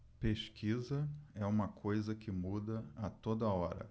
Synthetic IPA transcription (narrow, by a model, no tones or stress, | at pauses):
peʃkʰizɐɛũmɐkʰojzɐkɪmud̪ɐɐt̪od̪ɐɔɾɐ̰